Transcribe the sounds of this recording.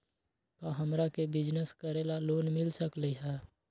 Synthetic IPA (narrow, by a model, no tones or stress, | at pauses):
k̪aɦəmɾakebɪd͡ʒnəskəɾeːlaloːnmɪlsəkləiɦɛː